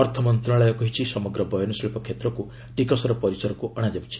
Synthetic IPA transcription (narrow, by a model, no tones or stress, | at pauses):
ɔɾt̪ʰɔmɔnt̪ɾaɭajɔkɔɦit͡ʃʰisɔmɔɡɾɔbɔjɔnusiɭipɔkʰːet̪ɾɔku | ʈikɔsɔɾɔpɔɾisɔɾɔkuʔɔɽ̃ad͡ʒabut͡ʃʰi̥